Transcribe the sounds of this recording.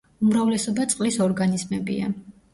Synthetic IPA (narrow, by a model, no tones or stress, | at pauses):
umɾavlɛsɔbat̪sʼqʼlisɔɾɡanizmɛbḭa̰